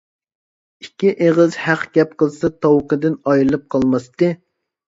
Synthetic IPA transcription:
ikʲːiʔeʁəzhæqɡʲɛp̚qəlˠsɑt̪ʰɑwqəd̪ɪnɑjlˠɨp̚qʰɑlˠmɑst̪ɨ

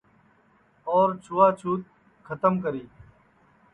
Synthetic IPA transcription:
ɔːɾt͡ʃʰuːaːt͡ʃʰuːt̪̚ | kʰət̪əmk̬əɾiː

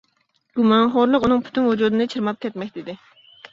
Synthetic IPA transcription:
ɡ̥umɑnχoɾlˠəqunɨŋpʰy̥t̪ʰynwud͡ʒuːd̪ɨnɨt͡ʃʰiɾmɑp̚kʲɛt̪mɛkʲt̪ɪd̪ɪ

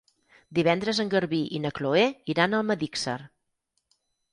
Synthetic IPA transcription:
d̪iβ̞ɛnd̪ɾəzəŋɡəɾβiʔinəkloeiɾanəlˠməðiksə̰ɾ

